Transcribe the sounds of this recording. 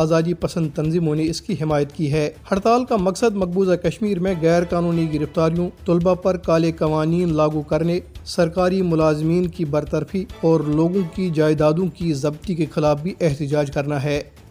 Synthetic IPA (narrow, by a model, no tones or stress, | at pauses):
aːzaːd̪ipɐsə̃nd̪̚t̪ɐnziːmõneɪskiɦɪmaːjət̪kiɦɛːhɐɽt̪aːlkamɐksəd̪mɐk̚buːzakɐʃmiːɾmẽɣɛːɾkaːnuːniɡɪɾɪft̪aːɾijõt̪ʊlbapɐɾkaːlekɐʋaːniːnlaːɡukɐɾnesɐɾkaːɾimʊlaːzmiːnkibɐɾt̪əɾfʰiɔːɾloːɡõkid͡ʒaːɪd̪aːd̪õkizɐbt̪ikexɪlaːfbʱiʔɛɦt̪ɪd͡ʒaːd͡ʒkɐɾnaɦɛː